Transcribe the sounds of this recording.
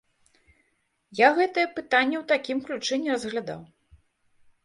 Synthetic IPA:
jaɣɛt̪ɐjɛpɨt̪anʲːɛwt̪akʲimklʲut͡ʂɨnʲɛrɐzɣlʲad̪a̰w

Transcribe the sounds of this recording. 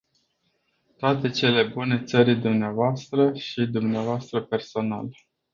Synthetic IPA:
t̪oat̪e̞t͡ʃe̞le̞bune̞t̪səɾid̪umneavoast̪ɾəʃid̪umneavoast̪ɾəpe̞rso̞na̰l

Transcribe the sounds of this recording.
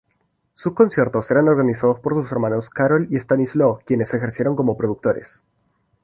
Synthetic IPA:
susko̞nsje̞ɾt̪o̞se̞ɾano̞ɾɣanisað̞o̞spo̞ɾsuse̞ɾmãno̞skaɾolie̞st̪anizlokje̞ne̞sexeɾsje̞ɾo̞ŋko̞mo̞pɾoðuk̚t̪o̞ɾʔḛs

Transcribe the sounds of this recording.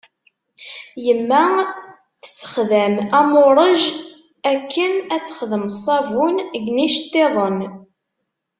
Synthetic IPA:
jəmːæ | θə̥sə̥χðæmæmoɾˤəʒ | ækːənæt͡sːə̥χðəmsˤːɑvunɡniʃt̪ːeðˤən

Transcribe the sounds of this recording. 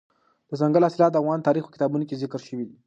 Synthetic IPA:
d̪̥əzaŋɡəlɑsɪlɑt̪̚d̪əavɣɑnt̪ɑɾixpə̥kɪ̥t̪ɑbunok̬ezɪkɾʃəwid̪i

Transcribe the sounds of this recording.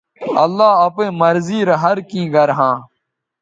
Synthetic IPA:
ɐlːaːɐpẽːməɾziːɾɐɦəɾkĩːɡəɾɦãː

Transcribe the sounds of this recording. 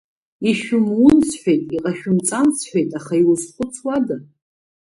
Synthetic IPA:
iʃᶣʊmwʊnsħʷᶣejtʼiqʼaʃᶣʊmt͡sʼansʰħʷᶣejtʼaχaiwʊsχʷʊt͡sʰwada

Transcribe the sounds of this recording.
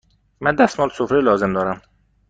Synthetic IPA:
mɛd̪ɛst̪mɑːlsufɾilɑːzɪmd̪ɔːɾɛm

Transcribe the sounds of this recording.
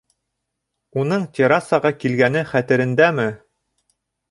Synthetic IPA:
unɤɴt̪ʲeɾasɑʁɑkilɡænɘχæt̪ɘ̆ɾɘ̆nd̪æmɘ

